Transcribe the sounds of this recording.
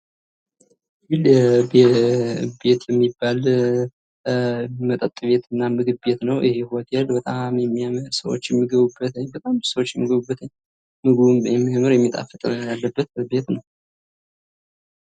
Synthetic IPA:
ɡilb | be̞t̪jɛmːibːal | mət̪ʼət̪ʼːβe̞t̪ʰɨnːamɨɡɨβbe̞t̪nəwʔihehuwət̪jɛlbət̪ʼamjɛmːijaməɾsəwo̰t͡ʃːjɛmːiɡəβubːət̪əɲːbət̪ʼamsəwot͡ʃːjɛmːiɡəβubːət̪əɲː | mɨɡɨβujɛmːijaməɾjɛmːit̪ʼa̰fət̪ʼjalːəbːət̪̚be̞t̪nəw

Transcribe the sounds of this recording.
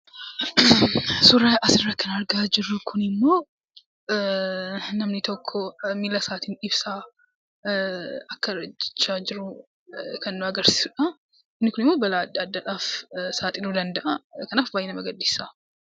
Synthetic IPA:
sʊɾaʔɐsɪrːɐkʰɐnɐɾɡaːd͡ʒɪrːʊkʰʊnɪmːo̞ː | nɐmnɪt̪ʰɔkʰːɔmilɐsaːt̪iːnɪbsaː | ɐkːɐɾɐd͡ʒɪ̥t͡ʃːaːd͡ʒɪɾu | kʰɐnːʊɐɡɐɾsi̥ːsʊᶑɐ | ɪmnːɪkʊnɪmːo̞ːbɐlad̪ɐd̪ːaᶑaːfsaːt̪ʼɪnud̪ɐnd̪ɐʔɐkɐnaːfbaːjɛnɐmɐɡɐd̪ːisa

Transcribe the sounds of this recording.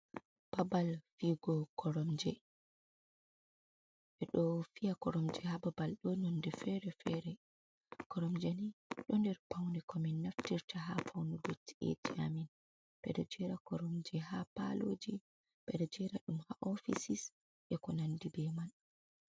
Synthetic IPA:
b̥abalfiɡɔkʰɔɾɔmd͡ʒɛ | ɓɛɗɔfijakɔɾɔmd͡ʒɛhababalɗɔnɔndɛfɛɾɛfɛɾɛ | kɔɾɔmd͡ʒɛniɗɔndɛɾpawndɛkʰɔminːaftiɾtʰaɦafawndɔbotːi̥ḛtiamin | b̥ɛ̰dɛd͡ʒɛɾakɔɾɔmd͡ʒɛɦapa̰loːd͡ʒi | bɛdɛd͡ʒɛɾaɗumhaʔɔfisis | ʔɛkɔnandibɛman

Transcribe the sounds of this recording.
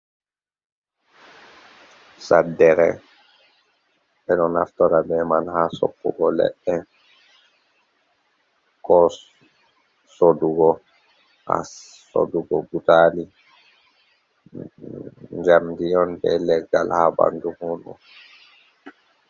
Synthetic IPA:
sadːɛɾɛ | ɓɛnɔnaftɔɾabɛmanhasɔ̰pːṵɡɔlɛ̰ɗːɛ | kɔ | soduɡɔ | ha̰ | so̰duɡɔbutaːli | ɲd͡ʒamdijɔnbɛlɛɡalhaba̰nduhunu

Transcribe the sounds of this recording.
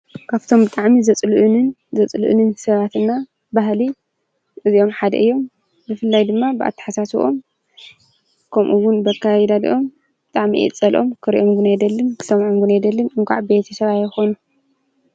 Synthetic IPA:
kʰaβt̪ʰo̞mbɨt̪ʼaʕmizɐt͡sʼlʔnɨn | zɐt͡sʼluʔɨ̰nɨnsɐβat̪ɨnːa | baɦli | ʔɨzio̞mħad̪ɐ̰ʔɨjːo̞m | bɨfɨlːajd̪ɨmːabɨʔa̰t̪ʰːɨ̥ħasasuʔo̞m | kʰɐmʔuwːʊnbɐkʰːajɛd̪ad̪ʔo̞m | bɨt̪ʼaʕmiʔḭt͡sʼɐlʔo̞mkʰɨɾḭʔomɡɨnajd̪ɐlːɨnkʰɨ̥sɐmʕomɡɨnajd̪ɐlːɨnɨŋkʰʷʼa̰ʕbe̞t̪ʰɐsɐβajːɛxonu

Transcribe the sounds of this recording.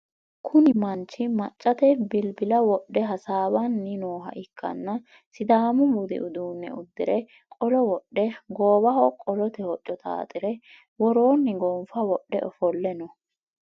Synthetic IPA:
kʰʊnɪmɐnt͡ʃːɪmɐ̰t͡ʃʼːɐt̪ɛbɪlbɪlɐwɔɗːɛɦɐsaːbɐnːɪnoːɦɐ̰ʔɪkʰːɐ̰nːɐ | sɪd̪aːmʊbʊd̪ɪ̰ʔʊd̪uːnːɛ̰ʊd̪ːɪɾɛ | kʼɔlɔwɔɗːɛɡo̞ːbɐhɔkʼɔlɔt̪ɛhɔt͡ʃʼːɔt̪ʰa̰ːt̪ʼɪɾɛ | wɔɾo̞ːnːɪɡoːmfɐwɔɗːɛ̰ʔɔfɔlːɛnɔ

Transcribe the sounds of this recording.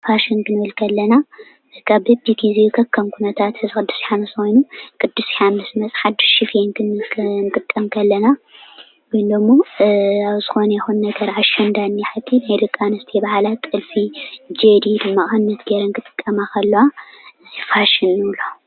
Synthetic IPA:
faʃɪnkʰɨnɨwɨlkʰɐlːɐna | kʰaβbɨbiɡizekʰɐkʰːɐmkʰunɐt̪ʰat̪ɨzɨkɨd̪ːɨsiħamɨskojnukʰʼɨd̪ːɨsiħamɨsmɐt͡sʼħad̪ːɨ̥ʃʃɪfjenkʰɨnnkʼɨt̪ʼːɐmkʰɐlːɐna | wojnd̪ɐmːo̞aβzɨxonɐjɛxunnɐɡɐɾaʃɐnd̪anːiħɨt̪ʰːinajlɨkʼːanɨst̪ʰebɐhalat̪ʼɨlfid͡ʒed̪id̪ɨmːaʔʼɨnːɐt̪ɡeɾɐŋkɨt̪ʼɨ̥kʼːɐmakʰɐlːɐwanajfaʃɪnːɨwla

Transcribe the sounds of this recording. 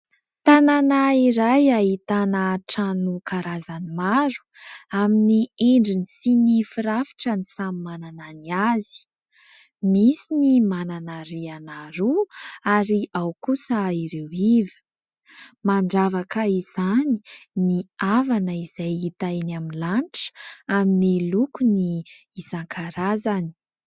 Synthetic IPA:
t̪ananaiɾajait̪anaʈ͡ʂanukaɾazanimaɾu̥aminieɳɖ͡ʐinisinifiɾafi̥ʈ͡ʂənisamimanananiazi̥ | misinimananaɾianaɾuaɾiʔawkusəiɾewivə̥ | maɳɖ͡ʐavakəiz̥ani̥niavanəiz̥ajit̪anaminlaɳʈ͡ʂaminilukuniː | zaŋkʰaɾazani̥

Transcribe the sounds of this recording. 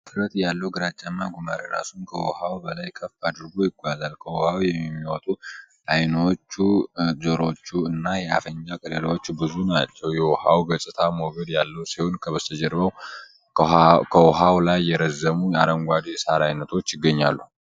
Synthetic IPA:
t̪ʰɨɾət̪jalːəwɡɨɾat͡ʃʼːanːaɡʷumaɾiɾa̰sunkʰəwɔhawbəlajkʰəfad̪ɨɾɡo̞jɪɡʷazalkʰəwɔhawjɛmmːiwɔt̪ʼu | ajnot͡ʃːuzəɾo̞t͡ʃːuɨnːajɛa̰fəɲd͡ʒakʼələləwot͡ʃːbɨzunat͡ʃːɛwjɛwɔhawɡəsʼɨt̪ʰamoɡəd̪jalːəwsihonkʰəβəst̪ʰəd͡ʒɛɾbəw | kʰəwɔɦawlajːɛɾəzːəmujaɾəŋɡʷad̪jɛsaɾajnət̪ʰo̞t͡ʃːjɪɡːəɲːalːu

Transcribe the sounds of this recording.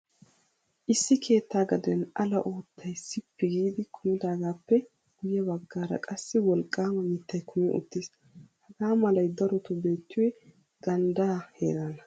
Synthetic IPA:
ʔɪsːɪkʰe̞ːt̪ːaːɡɐd̪ɛnʔɐlɐʔoːt̪ʰːɐjsɪpːɪɡiːd̪ɪkʰʊmɪd̪aːɡaːpːɛ | ɡ̥ʊjɛbɐɡːaːɾɐ̰kʼɐsːɪwɔlkʼːaːmɐmɪt̪ːɐjkʰʊmɪʔʊ̰t̪ːiːs | hɐɡaːmɐlɐjd̪ɐɾɔt̪ɔbe̞ːt̪ːʊwɛ | ɡ̥ɐnd̪aːhḛːɾɐnɐ

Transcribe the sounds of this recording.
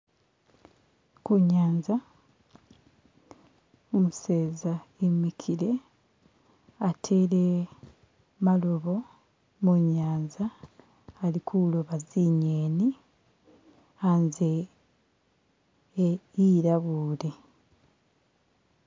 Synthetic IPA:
kuɲaːnza | omuseːzaemːikʰiɾe̞ | atʰeːle | maloβo̞ | moɲaːnzaː | likʰuloβaziɲeːni | anze | iɾaβuːle̞

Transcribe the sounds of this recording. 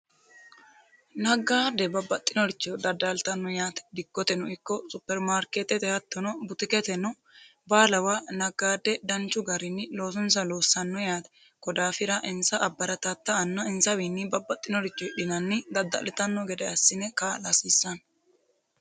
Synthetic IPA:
nɐɡaːd̪ɛbɐbːɐt̪ʼːɪnɔɾɪt͡ʃːɔd̪ɐd̪alt̪ɐnːɔjaːt̪ɛ̥d̪ɪɡːɔt̪ɛnɔɪkːɔsʊpːɛɾmaːɾkeːt̪ɛt̪ɛhɐt̪ːɔnɔbʊt̪ɪkɛt̪ɛnɔ | baːlɐwanɐɡaːd̪ːɛd̪ɐnt͡ʃːʊɡɐɾɪnːɪlo̞ːs̬ɔnsɐloːsːɐnːɔjaːt̪ɛ | kɔd̪aːfɪɾɐʔɪnsɐʔɐbːɐɾɐt̪ɐt̪ːɐːnːɐɪnsɐwiːnːɪbɐbːɐt̪ʼːɪnɔɾɪt͡ʃːɔᶑɪnɐnːɪd̪ɐd̪ːɐ̰lɛt̪ɐnːɔɡɛd̪ɛɐsːɪnɛkalɐsisːɐn

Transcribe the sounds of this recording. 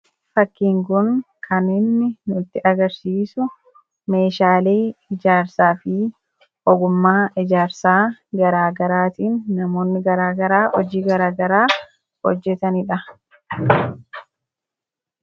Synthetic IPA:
fɐkːiːŋkʊn | kʰɐnːeːnːɪnʊɪt̪ːɪʔɐɡɐɾsiːsʊ | me̞ːʃaːle̞ːɪd͡ʒaːɾsaːfɪ | ʔɔɡʊmːaːʔɪd͡ʒaːɾsaːɡɐɾaːɡɐɾaːt̪iːnːɐmo̞ːnːɪɡɐɾaːɡɐɾaːɔd͡ʒiːɡɐɾaːɡɐɾaː | hɔ̰d͡ʒːɛt̪ɐnɪᶑɐ

